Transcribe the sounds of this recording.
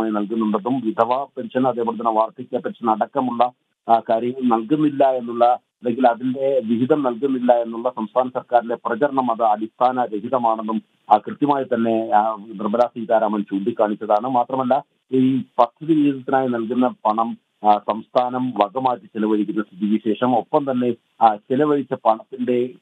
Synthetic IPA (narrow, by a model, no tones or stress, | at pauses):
aːjinɐlkunːuɳɖɐðumʋid̪ʱɐʋaːpenɕɐnɐðeːpoːɽet̪̬ːɐnːeʋaːrt̪ikʲːeːpːɐʈːt͡ɕːɨnɐɽɐkːɐmuɭːɐ | kaːɾjɐŋɐɭnɐlkunːilːɐe̞nːuɭːɐ | ɐlːe̞ŋɡilɐðinde̞ʋiʋiðɐmnɐlk̬unːilːɐe̞nːuɭːɐsɐmst̪ʰaːnɐsɐrkaːɾine̞prɐd͡ʑɐɾɐɳɐmɐðɨɐdist̪ʰaːnɐɾeɦiðɐmaːɳenːum | krɨt̪jɐmaːjit̪ɐnːe̞nirbɐlaːsiːt̪aːɾɐmɐnt͡ɕuːɳɖikʲːaːɳit͡ɕːɐðaːɳɨmaːt̪rɐmɐlːɐ | iːpɐt̪ʰːɐðiʋiiðɐt̪ːinaːjinɐlk̬unːɐpɐɳɐm | sɐmst̪ʰaːnɐmʋɐɡɐmaːjiʈːɨt͡ɕelɐʋɐɻikʲːunːɐsit̪iʋiɕe̞ːʂɐmo̞pːɐmt̪ɐnːe̞ | t͡ɕelɐʋɐɻit͡ɕːɐpɐɳɐt̪ːinɖe̞